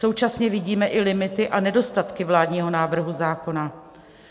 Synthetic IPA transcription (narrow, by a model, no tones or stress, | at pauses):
o̞wt͡ʃasɲɛvɪɟiːmɛʔɪlɪmɪt̪ɪʔanɛdo̞st̪at̪kɪvlaːdɲiːɦo̞naːvr̩ɦuzaːko̞na